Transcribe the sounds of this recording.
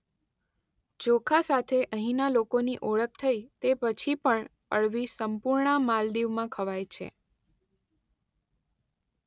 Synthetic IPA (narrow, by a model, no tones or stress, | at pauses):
t͡ʃokʰasat̪ʰeʔəɦĩnalokoniʔoɭək̚t̪ʰəit̪epət͡ʃʰipəɳ | əɭʋisəmpuɾɳamald̪iʋmãkʰəʋajt͡ʃʰḛ